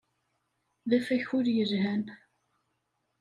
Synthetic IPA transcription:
ðæfæçʊɾjəzhæn

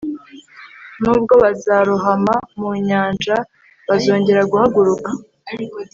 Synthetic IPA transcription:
nuːb̚ɡo̞βazaɾuɦamamuɲaːnʒa | βazo̞ːɲɟe̞ɾaɡuhaɡuɾuka

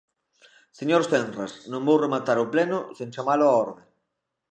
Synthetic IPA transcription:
seɲoɾsθenrasnõŋbowremat̪aɾʊplenʊsẽŋt͡ʃamalʊaɔɾðeŋ

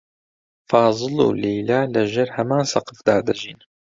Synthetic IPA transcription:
fɑːzˤɨlṵːlejlaːlɐʒeɾhɐmaːnsɐqɨfd̪aːd̪ɐʒiːn

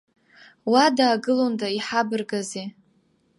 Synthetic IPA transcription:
wadaːɡɨlondaiħabɨrɡaze

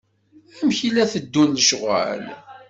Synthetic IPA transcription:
æmçilæθəd̪ːunləʃʁæ̰l

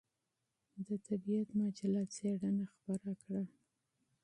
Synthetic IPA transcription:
d̪ət̪ʰabijat̪mɑd͡ʒalɑt͡seɽanaxpaɾakɽa

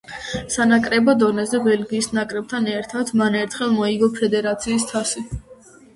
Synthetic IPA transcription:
sanakʼɾɛbɔd̪ɔnɛzɛbɛlɡiːsnakʼɾɛb̚t̪ʰanɛɾt̪ʰat̪ʰmanɛɾt̪ʰχɛlˠmɔiɡɔpʰɛd̪ɛɾat̪sʰiːs̬t̪ʰasi

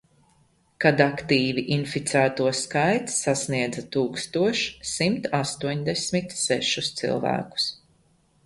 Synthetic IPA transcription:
kad̪akt̪iːviʔinfit̪sæːt̪uɔskajt̪sːasniɛd̪zat̪uːkst̪uɔʃsimt̪ast̪uɔɲd̪ɛsmit̪sɛʃust̪sḭlˠvæ̰ːku̥s

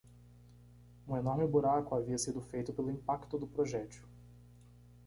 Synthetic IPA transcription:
ũenɔɾmɪbuɾakʊaviɐsid̪ʊfejt̪ʊpelʊĩpakt̪ʊd̪ʊpɾoʒɛt͡ʃʊ

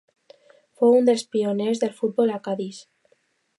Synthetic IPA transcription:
fweund̪elspionezðelfut̪̚bolakaðis

